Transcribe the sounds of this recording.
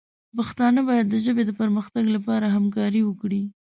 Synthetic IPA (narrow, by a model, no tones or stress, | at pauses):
paxt̪ɑnəbɑjad̪ːəʒəbed̪əpəɾməxt̪aɡlapɑɾaɦamkɑɾiwəkɽi